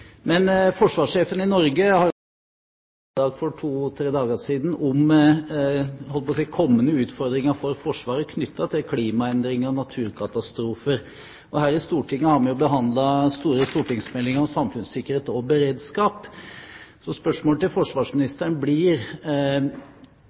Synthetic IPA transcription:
mɛnfɔʂʋɑːʂeːfənɪnɔɾɡəhɑ | ɑːɡfɔʈʰuːt̪ʰɾeːd̪ɑːɡəʂiːd̪n̩ɔm | hɔlːəpɔsiɪkʰɔmːənəʉːt̪fɔɾd̪ɾɪŋəfɔɾfɔʂʋɑːɾəkʰnʏt̪ʰːɑt̪ʰɪlkʰliːmɑɛnd̪ɾɪŋəɾnɑt̪ʰʉːɾkʰɑt̪ɑst̪ɾuːfəɾ | ʔɔɦæːɾɪst̪uːʈʰɪŋːəhɑɾmɛnjʊbəɦɑnd̪lɑst̪uːɾəst̪uːʈɪŋsmɛlːɪŋəɾɔsɑmfʉnssɪkːəɾheːt̪ɔbəɾeːd̪skɑːp | sɔspœʂmoːlət̪ɪlfɔʂʋɑːʂmɪnɪst̪əɳəblɪɾ

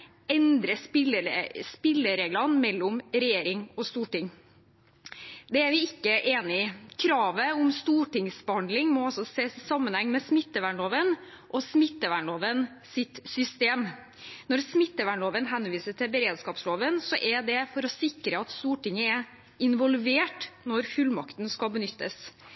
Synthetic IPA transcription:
ɛnd̪ɾəpɪləspɪlːəɾeːɡlɑnmɛlːʊmɾɛjeːɾɪŋɔst̪uːʈɪŋ | d̪ɛæɾʋɪɪkːəʔeːnɪkʰɾɑːʋəʊmst̪uːʈɪŋsbɛhɑnd̪lɪŋmɔɑlsɔseːssɑmːənhɛŋːmɛsmɪt̪ːəʋæɳɭoːʋən | ʔɔsmɪt̪ːəʋæɳloːʋən | sɪt̪sʏst̪eːm | nɔɾsmɪt̪ːəʋæɳloːʋənɦɛnʋiːsəʈʰɪlbəɾeːd̪skɑːpsloːʋənsɔʔɛɖ̪ɛfɔɾɔsɪkɾəɑt̪st̪uːʈɪŋːəɛ | ɪnʋɔlʋeːʈnɔɾfʉlmɑkt̪nskɑlbənʏt̪ːəs

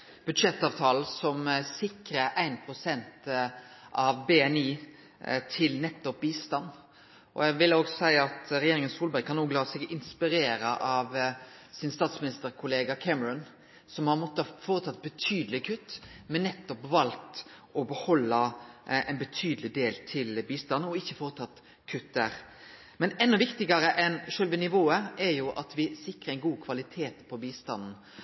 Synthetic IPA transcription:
b̥ʉd̪ʂɛt̪ːɑːʋt̪ʰɑːl̩sɔmsɪkɾəæɪnpʰɾʊsɛnt̪ | ʔɑʋbeɛniː | t̪ʰɪlnɛt̪ːɔpbiːst̪ɑnː | ʔɔ̰jæʋɪloːɡsɔsæɪɑt̪ɾɛjeːɾɪŋənsuːlbæɾkʰɑnːuːɡlɑːsɛɡɪnspɪɾeːɾəʔɑʋ | sɪnst̪ɑːt̪smɪnɪst̪əɾkʰʊleːɡɑkʰɛməɹʊn | sɔmhɑɾmɔt̪ːəfoːɾət̪ʰɑt̪̚ːbət̪ʰyːd̪əlɪkʰʉt̪ːmɛnːɛt̪ːɔpʋɑlt̪ | ɔbəhɔlːɑɛ̰ɪnbət̪ʰyːd̪əlɪd̪eːlt̪ʰɪlbiːst̪ɑnn̩ɔɪçːəfoːɾət̪ʰɑt̪ː | kʰʉt̪ːd̪æɾ | mɛnɛnːɔʋɪkt̪ɪɡɑɾəʔɛnʂøːlʋɪnɪʋoːəɛɾjʊʔɑt̪ʋɪsɪkɾəɛɪnɡuːkʰʋɑlɪt̪ʰeːt̪pʰɔbiːst̪ɑnn̩

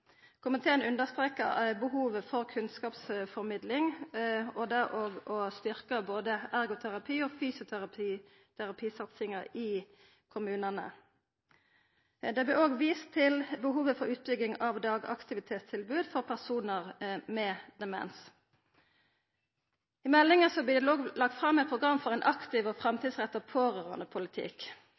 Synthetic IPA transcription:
kʰʊmɪt̪ʰeːnʉnd̪əʁst̪ʁeːkə̰bəɦuːʋəfɔʁkʰʉnskɑːpsfɔʁmɪd̪lɪŋ | ɔd̪æʁoːɡɔst̪ʏʁkəboːd̪əæʁɡʊt̪ʰæʁɑpʰiːɔfyːsʊtʰʁ | t̪ʰæʁɑpʰiːsɑt̪sɪŋɑɪ | kʰʊmʉːnənə̰ | d̪ɛblɪoːɡʋiːst̪ʰːɪlbəɦuːʋəfɔʁʉːt̪̚bʏɡɪŋɑʋd̪ɑːɡɑ̰kt̪ɪʋɪt̪ʰeːt̪st̪ʰɪlbʉːd̪fɔʁpʰæʁsuːnəʁmɛd̪ɛmɛ̰ns | ɪmɛlːɪŋəsɔblɪloːɡlɑɡt̪fʁɑmːɛɪt̪̚pʰʁʊɡʁɑmːfɔʁɛɪnʔɑkt̪ɪʋɔfʁɛmt̪id̪sʁɛt̪ːəpʰoːʁøːʁɑ̰nəpʰʊlɪt̪ʰɪ̰k

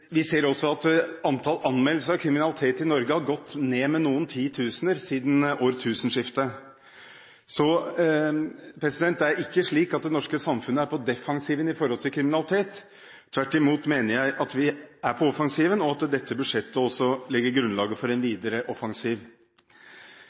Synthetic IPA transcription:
ʋɪseːɾɔsːɔɑt̪ɑnt̪ʰɑlɑnmɛlːəsəɾɑkʰɾɪmɪnɑlɪt̪ʰeːt̪ɪnɔɾɡəhɑɾɡɔt̪ːneːmɛnuːənt̪ʰiːt̪ʰʉːsənəɾsiːd̪n̩oːɾt̪ʰʉːsən̩ʂɪft̪ə | sɔ | pʰɾɛsɪd̪ɛnt̪æɾɪkːəʂɭiːkɑt̪̚d̪ɛnɔʂkəsɑmfʉnːəæɾpʰɔd̪ɛfɑŋsiːʋənɪfɔɾhɔlt̪ʰɪlkʰɾɪmɪnɑlɪt̪ʰeːt̪ʰː | ʋæʈːɪmuːt̪meːnəɾjæɪʔɑt̪ʋɪæɾpʰɔɔfɑŋsiːʋənɔɑt̪d̪ɛt̪ʰːəbʉd̪ʂɛt̪ːəɔsːɔlɪɡːəɾɡɾʉnlɑːɡəfɔɾɛnʋiːd̪əɾəʔɔfɑŋsiːʋ

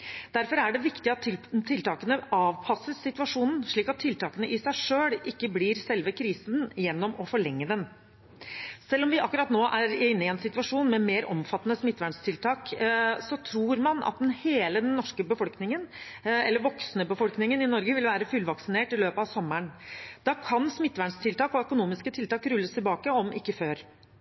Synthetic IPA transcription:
d̪̥æɾfɔɾæɖɛʋɪkt̪ɪɑt̪t̪ʰɪlt̪ʰɑːkənəɑːʋpʰɑsəssɪt̪ʋɑʂuːnn̩ʂɭiːkɑt̪ʰːɪlt̪ʰɑːkənəʔɪsæɪʂøːɽɪkːəbliːɾsɛlʋəkʰɾiːsnjɛnːɔmɔfɔɭɛŋːəd̪ɛn | sɛlːɔmʋɪʔɑkːʉɾɑt̪noːʔæɾɪnːəɪɛnsɪt̪ʋɑʂuːnmɛmeːɾɔ̰mfɑt̪ːənəsmɪt̪ːʋæɳst̪ʰɪlt̪ʰɑːksɔt̪ʰɾuːɾmɑnɑ̰t̪̚d̪ɛnheːləd̪ɛnnːɔʂkəbəfɔlknɪŋənɛlːəɾʋɔksnəbəfɔlknɪŋənɪnɔɾɡəʋɪlʋæːɾəfʉlʋɑksɪneːʈɪløːpəɑʋsɔmːəɳd̪̥ɑkʰɑnsmɪt̪ːʋæɳst̪ʰɪlt̪ʰɑːkɔœkʊnuːmɪskət̪ʰɪlt̪ɑːkɾʉlːəst̪ʰɪlbɑːkəɔmʔɪkːəføːɾ

